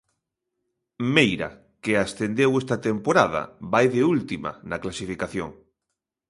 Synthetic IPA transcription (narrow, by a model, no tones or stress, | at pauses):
mejɾa̰ | keast̪end̪ewest̪at̪empoɾað̞a̰βajðeult̪ima̰naklasifikaθjo̰ŋ